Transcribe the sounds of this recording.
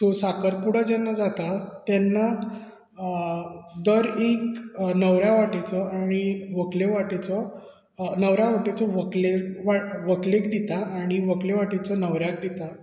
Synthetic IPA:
t̪osakəɾpuɽəd͡ʑɛnːad͡zat̪at̪ɛnːa | d̪əɾeknəʋɾjaʋaʈit͡sɔaɽ̃iʋəkleʋaʈit͡sɔ | nəʋɾaʋaʈit͡sɔʋəkleʋaʋəklekd̪it̪aaɽ̃iʋəkleʋaʈit͡sɔnəʋɾjak̚d̪it̪a

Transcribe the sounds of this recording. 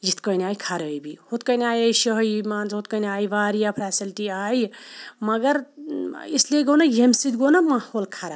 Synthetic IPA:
jit̪kənaːjkʰaɾəjbihot̪̚kəjnaːjəjʃəɦjmaːnzɦot̪̚kənaːjʋaːɾijapʰɾaːsilʈiajmɐɡəɾ | isleɡɐwnɐjemsid̪ɡonɐmahoːlkʰaɾa

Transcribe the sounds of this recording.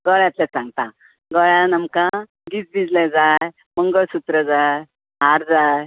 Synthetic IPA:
ɡəɭjãt̪lɛsãŋɡt̪a | ɡəɭjanəmkã | ɡit͡sbid͡zled͡zaj | məŋɡəɭsut̪ɾəd͡zaj | ɦaɾd͡zaj

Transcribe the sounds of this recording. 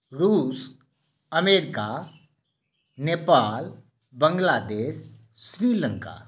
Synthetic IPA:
ɾuːs | əmeːɾɪka | neːpaːl | bə̃ŋɡlaːd̪eːʃː | ɾiːlə̃ŋka̰ː

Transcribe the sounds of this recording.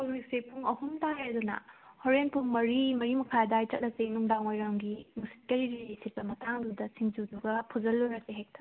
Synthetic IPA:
oɾik̚sepʰuŋɐhumtaɾedunɐ̰hoɾenpʰuŋmɐɾimɐɾimɐkʰajdajtɐt̚lɐk̚senuŋdaŋojɾaŋɡimusi̥t̚kɐɾiɾiɾisit̚pɐmɐtʰaŋdudɐsiŋd͡ʒuduɡɐpʰuzɐlːuɾɐseɦek̚tʰa

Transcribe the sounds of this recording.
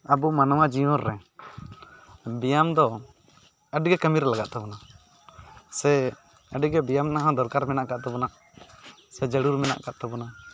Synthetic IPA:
abumanɔwad͡ʒiɔ̃ɾːɛ | bijamd̪ɔ | əɖiɡɛkəmiɾlaɡaʔt̪ɔbɔna | sɛ | əɖiɡɛbijamnaɦãd̪ɔɾkaɾmɛnaʔkaʔt̪ɔbɔnaʔ | sɛd͡ʒəɽuɾmɛna̰ʔka̰ʔt̪ɛbɔna

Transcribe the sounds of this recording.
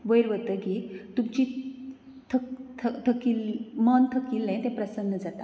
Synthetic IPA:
ʋəjɾʋət̪əkiːt̪umt͡ɕiː | t̪ʰəkt̪ʰət̪ʰəkilmant̪ʰəkiːlːẽt̪eɛ̃pɾəsənːəd͡zat̪a

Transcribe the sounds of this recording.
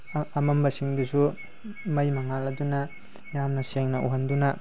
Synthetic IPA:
ɐmɐmbɐsiŋdisu | mɐjmɐŋalɐdunɐ | jamnɐseŋnɐʔṵɦɐndunɐ

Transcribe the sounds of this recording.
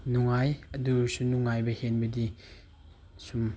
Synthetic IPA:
nuŋajɐdusunuŋajbɐhenbɐdi | sum

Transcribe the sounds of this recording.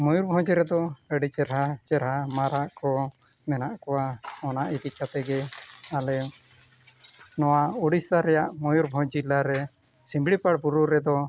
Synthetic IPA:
mɔjuɾbʱɔ̃d͡ʒɾɛd̪ɔəɖit͡ʃɛɾɦat͡ʃɛɾɦamaɾaʔkʰɔ | mɛnaʔkɔwaɔnaʔit̪it͡ʃat̪ɛɡɛalɛ | nɔwauɽisaɾɛjaʔmɔjuɾbʱɔ̃d͡ʒilaɾɛ | simbɽipaɽbuɾuɾɛd̪ɔ

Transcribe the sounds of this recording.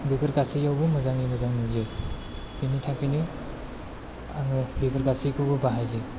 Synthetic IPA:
bibɐɾɡasijawbɯmazaŋimɐzaŋnuze | pinitʰakɯjnɯ | a̰ŋɯbibaɾɡasikʰɯbɯbaɦajze

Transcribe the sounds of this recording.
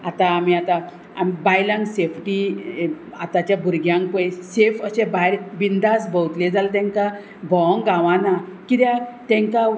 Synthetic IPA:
at̪ãːmiat̪a | amibajlãŋɡsefʰʈi | at̪at͡ɕjabʱuɾɡjãŋɡpojsefəɕẽbaɾbind̪asbəwt̪led͡zalt̪ɛ̃ŋka | bʱɔŋɡãʋãnakit̪jat̪ɛ̃ŋka

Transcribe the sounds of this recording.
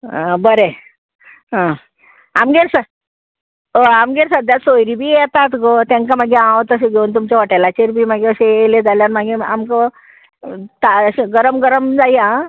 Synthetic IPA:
bəɾe | ɦã | amɡeɾsə | oamɡeɾsad̪jasojɾibʱiːjɛt̪at̪ɡot̪ãŋkamaɡeãʋt̪əseɡʱeunt̪̬umt͡ɕaʋəʈajlat͡ɕeɾbʱiːmaɡeəseeled͡zaljanmaɡeamkə | t̪aseɡəɾəmɡəɾəmd͡zajã

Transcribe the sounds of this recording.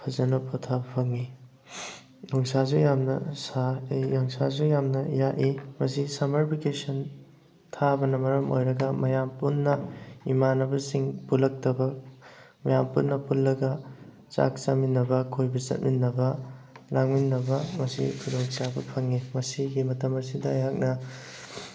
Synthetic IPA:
pʰɐzɐnɐpʰotʰabɐpʰɐŋi | nɔŋsazujamnɐ̰saejjɐŋsazujamnɐjaʔimɐsisamɐɾpʰikesɐn | tʰabɐnɐmɐɾɐmo̰jɾɐɡɐmɐjampunːɐimanɐbɐsiŋpulɐk̚tɐbɐ | mɐjampunːɐpulːɐɡɐ | t͡ʃa̰k̚t͡ʃɐminːɐbɐkʰojbɐzɐ̰t̚minːɐbɐlaŋminːɐbɐmɐsḭkʰudoŋt͡ʃabɐpʰɐŋimɐsiɡimɐtɐmɐsidɐjɦak̚nɐ

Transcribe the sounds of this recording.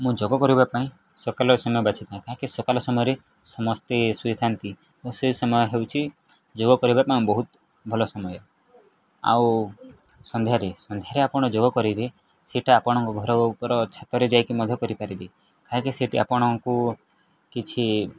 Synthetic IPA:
mũd͡ʒɔɡɔkɔɾubapaĩ | sɔkalɔɔsɔmɔjɔbat͡ʃʰit̪aẽkaɦkesɔkalɔsɔmɔjɔɾe | sɔmɔst̪esuid̪ʱant̪i | osesɔmɔjɔɦewt͡ʃʰi | d͡ʒoɡɔkɔɾibapaĩbɔɦut̪ | bʱɔlɔsɔmɔjɔ | a̰w | sɔnd̪ʱjaɾesɔnd̪ʱjaɾeapɔɽ̃ɔd͡ʒoɡɔkɔɾibe | seʈʰaːpɔɽ̃ɔŋkɔɡʱɔɾɔbɔupɔɾɔt͡ʃʰat̪ɔɾed͡ʒajkimɔd̪ʱɔkɔɾipaɾibe | kaɦãkeseʈʰia̰pɔɽ̃ɔŋku | kit͡ʃʰi

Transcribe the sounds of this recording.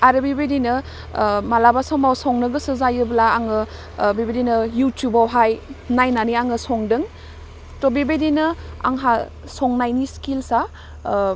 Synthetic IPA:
aɾɯbibedinɯ | malabasɔmawsɔŋnɯɡɯsɯzajɯblaːŋɯ | bibedinɯjutjubawɦajnajnaniaŋɯsɔŋdɯŋ | tɔbibedinɯa̰ŋɦa | sɔŋnajniskilsa

